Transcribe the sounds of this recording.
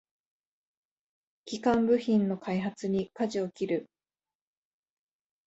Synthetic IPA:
kʲikãmbɯ̟çĩnːo̞kʰaiɦat͡sɨɲ̟ikaʑio̞kʲiɾɯ̟

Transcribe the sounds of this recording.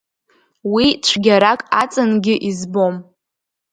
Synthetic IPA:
wit͡ʃʷʰɡʲaɾakʼat͡sʼɨnɡʲɪʔizbo̞m

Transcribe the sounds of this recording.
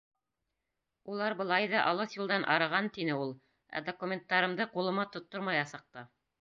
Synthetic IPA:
ulˠɑɾbɤ̆lˠɑjðɑʔɑlˠɤsjulˠd̪ɑnʔɑ̰ɾɤ̆ʁɑnt̪inɘulˠ | æ̰d̪okumʲent̪ːɑɾɤ̆md̪ɤqulˠɤ̆mɑt̪ŏt̪ːoɾmɑjɑsɤ̆q̚t̪ɤ

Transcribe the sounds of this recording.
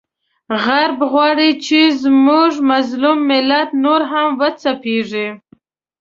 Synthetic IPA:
ɣaɾbɣwɑɽit͡ʃezmuʐmazlumːɪlat̪noɾɦamwət͡sapeʐi

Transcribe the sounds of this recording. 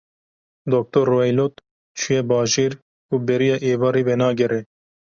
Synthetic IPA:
d̪ok̚t̪oɾːoɛjloːt̪ | t͡ʃʰujɛbɑːʒeːɾ | uːbɛɾijɑːʔeːvɑːɾiːwɛnɑːɡɛɾɛ

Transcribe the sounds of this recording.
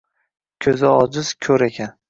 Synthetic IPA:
kʲʰɵzɪɒd͡ʒɪz̥kʲʰɵɾekʲʰan

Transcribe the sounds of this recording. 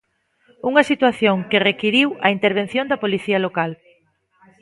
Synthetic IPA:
uŋɐsit̪waθjoŋkɪrekiɾiwɐint̪eɾβ̞en̟θjõnd̪ɐpoliθiɐlokal

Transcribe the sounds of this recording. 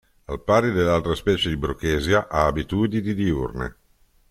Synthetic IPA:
alpaɾid̪elːalt̪ɾaspɛːt͡ʃed̪ibɾukːeːzjaʔaːbit̪uːd̪inid̪iurnḛ

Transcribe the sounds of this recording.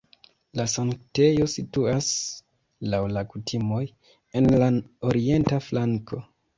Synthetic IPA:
lasaŋkte̞josituas | lawlakutʰimo̞j | e̞nlaoɾie̞ntaflaŋkʰo̞

